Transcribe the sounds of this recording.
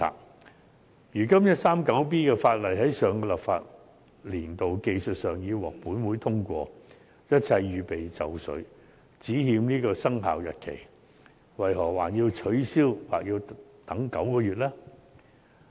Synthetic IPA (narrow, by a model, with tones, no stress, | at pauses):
a̰ː˨˩ | jyː˨˩kɐ˥mjɐ˥t̚saː˥mkɐ˨˥wp̬iː˥kɛː˧faː˧t̚lɐ˨˩jɦɐ˨˥jsœː˨ŋkɔː˧lɐ˨p̚fa̰ː˧t̚ | liː˨˩nt̪o˨wke˧jsɵ˨t̚sœː˨˩ŋjiː˧wɔː˨k̚puː˨˥nwuː˨˥jt̪ʰʊ˥ŋkʷɔː˧ | jɐ˥t̚t͡sʰɐ˧jːyː˨pe˨jt͡sɐ˨wsɵ̰˨˥ɥ | t͡siː˨˥hiː˧mniː˥kɔː˧sɐ˥ŋɦa̰ː˨wjɐ˨t̚kʰe˨˩j | wɐ˨˩jɦɔː˨˩waː˨˩njiː˧wt͡ʃʰɵ˨˥ɥsiː˥wwa̰ː˨k̚jiː˧wt̪ɐ˨˥ŋkɐ˨˥wkɔː˧ɥyː˨t̚lɛː˥